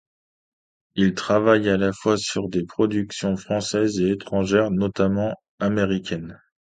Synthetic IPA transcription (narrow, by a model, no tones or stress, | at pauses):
ilt̪χavajalafwasyʁd̪epχɔd̪yksjɔ̃fχɑ̃sɛzeːt̪χɑ̃ʒɛʁnɔt̪amɑ̃ | ameʁikʲɛn